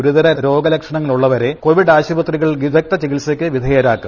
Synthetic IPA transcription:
oɾuðɐɾɐɾo̞ːɡɐlɐkʂɐɳɐŋːɐɭuɭːɐʋɐɾe̞ko̞ʋiɖaːɕubɐt̪riɣɐɭɡid̪ʱɐk̚t̪ɐt͡ɕiɣilsɐkʲːɨʋid̪ʱɐjɐɾaːkːum

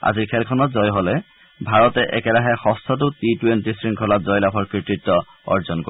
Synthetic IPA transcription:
a̰ziɹkʰɛlkʰɔnɔtzɔjɦolɛ | bʱaɹɔtɛʔɛkɛlaɦɛxɔstʰɔtʊtitwentisɹiŋkʰɔlatzɔjlapʰɔɹkɹitɹitːɔ | ɔ̰ɹzɔnko

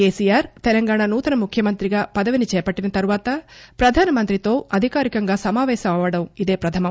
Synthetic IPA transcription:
keːsiːjaːɾt̪ɛlɐŋɡaːɳaːnuːt̪ɐnɐmukʰjɐmɐnt̪ɾiɡaːpɐd̪ɐʋinit͡ʃɛːpɐʈːinɐt̪ɐɾuʋaːt̪ɐpɾɐd̪ʱaːnɐmɐnt̪ɾit̪o̞ːɐd̪ʱikaːɾikɐŋɡaːsɐmaːʋɛːʃɐmɐʋɐɽɐmid̪e̞ːpɾɐt̪ʰɐmɐ

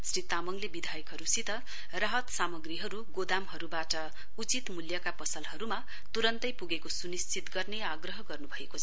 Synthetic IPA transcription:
srit̪amʌŋlebid̪ʱajʌkɦʌɾusit̪ʌ | rʌɦʌt̪samʌɡriɦʌɾuɡod̪amɦʌɾubaʈʌ | ut͡sit̪muljʌkapʌsʌlɦʌɾuma | tt̪uɾʌnt̪ʌjpuɡekosunist͡sit̪ɡʌrneaɡrʌɦʌɡʌrnubʱʌekot͡sʰʌ

